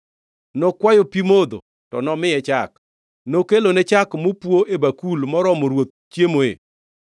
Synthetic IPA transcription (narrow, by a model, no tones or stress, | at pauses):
nɔkwajopimod̪o̰ | tɔnɔmɪjɛt͡ʃak | nokelonet͡ʃakmopwoʔebakulmɔɾɔmoɾwot̪̚t͡ʃjemoḛ